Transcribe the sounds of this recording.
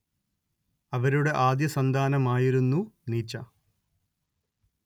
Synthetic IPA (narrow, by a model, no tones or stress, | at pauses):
ɐʋɐɾuɽe̞ʔaːd̪jɐsɐnd̪ʱaːnɐmaːjiɾunːuniːt͡ɕːɐ̰